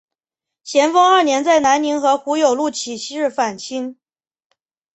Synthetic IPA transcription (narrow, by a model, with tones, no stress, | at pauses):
ɕjɛ˧˥nfɑ˥ŋa˞˥˩njɛ˧˥nt͡sa˥˩ɪna˧˥nni˧˥ŋxɤ˧˥xu˧˥jo˨˩ʊlu˥˩t͡ɕʰi˨˩ɕɻ̩˥˩fa˨˩nt͡ɕʰi˥n